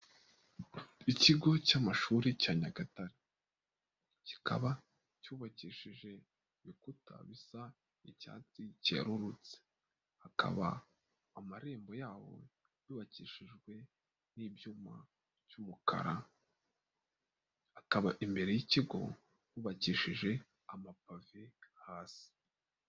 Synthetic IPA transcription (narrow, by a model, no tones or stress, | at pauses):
iciɡo̞caːmaʃuɾicaːɲaɡataɾi | ci̥kʰaβa | cuːβaciʃiʒe̞ | βikutʰa̰βisa | ica̰ːt͡sicea̰ɾuɾut͡se̥ | akʰa̰βa̰ː | maɾe̞ːmbo̞jaːwo̞̰ | juːβaciːʃiʒɡwe̞ | niːbjuːma | v̥jumukʰa̰ɾa | hakaβaʔimbe̞ɾe̞jiciɡo̞̰ | juːβaciːʃiʒe̞ | amapavihaːsi̥